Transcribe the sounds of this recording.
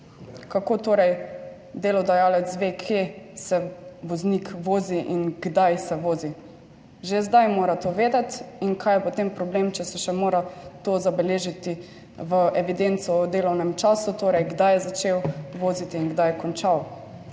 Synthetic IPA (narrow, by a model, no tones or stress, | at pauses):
kakoːt̪oːɾɛj | d̪eːlɔd̪ajaːlɛt̪sʋekʰesɛʋɔznikʋoːziʔinɡd̪ajsɛʋoːzi | ʒezd̪ajmoːɾat̪oʋeːd̪at̪inkʰajɛpɔt̪empɾɔbleːmt͡ʃɛsɛʃɛmoːɾat̪oːzabɛleːʒit̪i | ʋəʔɛʋid̪ent̪sɔud̪eːlɔwnɛmt͡ʃaːsut̪oːɾɛjɡd̪ajɛzat͡ʃewʋoːzit̪iːnɡd̪ajɛkɔnt͡ʃaw